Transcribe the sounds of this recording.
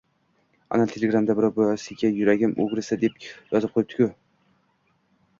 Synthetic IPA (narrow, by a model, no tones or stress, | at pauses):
a̰nalt̪ʰelʲeɡɾamd̪abɪɾɒwbojasɪɡʲajʊɾaɡʲɪmṵɡɾɪsad̪e̞pjɒzɨp̚qʰojɪp̚t̪ɪ̥kʲʰʊ